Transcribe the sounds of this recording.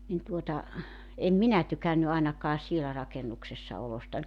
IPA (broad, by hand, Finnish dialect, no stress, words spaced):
nin tuotɑ em minæ tykænːy ɑenɑkɑː sielæ rɑkenuksesːɑ olostɑnʲ